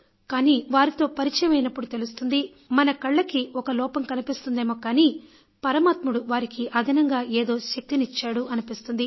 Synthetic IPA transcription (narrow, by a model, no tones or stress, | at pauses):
kaːniːʋaːɾit̪o̞ːpɐɾit͡ʃɐjɐmɐjnɐpːuɽut̪e̞lust̪und̪i | mɐnɐkɐɭːɐkiɔkɐlɔːpɐmkɐnipist̪und̪eːmoːkaːniː | pɐɾɐmaːt̪muɽuʋaːɾikiʔɐd̪ʱɐnɐŋɡaːʔeːd̪o̞ːʃɐk̚t̪init͡ʃːaːɽuʔɐnipist̪und̪i